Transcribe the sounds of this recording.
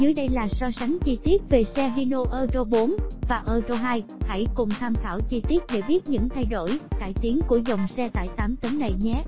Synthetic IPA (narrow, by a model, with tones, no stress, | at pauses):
zɨ˨˦jɗə˧jlaː˨˩sɔ˧sa˨˦ŋt͡ɕi˧t̪i˦˥ət̚ve˨˩sɛ˧ɦi˧no˧ʔəː˧zo˧ɓo˨˦nvaː˨˩ʔəː˧zo˧wɦaː˧jha̰˧˥˨jkʊ˨˩ŋ͡mt̪ʰaː˧mt̪ʰaː˧˩wt͡ɕi˧t̪i˦˥ət̚ɗḛ˧˩ɓi˦˥ət̚ɲɨ̰˧˥ŋt̪ʰa˧jɗo̰˧˩jka̰ː˧˩jt̪i˨˦ənku˧˩əzə˨˩wŋ͡msɛ˧t̪a̰ː˧˨jt̪aː˨˦mt̪ə˨˦nna˨˩jɲɛ˨˦